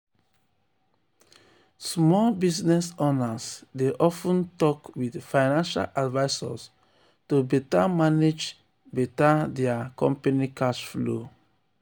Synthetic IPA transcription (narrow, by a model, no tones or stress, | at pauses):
smɔlbisnɛsonasdeʔɔfũntɔkwidfaɪnãnʃa̰ladvaɪsa̰s | tubɛtamaned͡ʒ | bɛtadɛakɔ̰̃mpanikaʃflo̰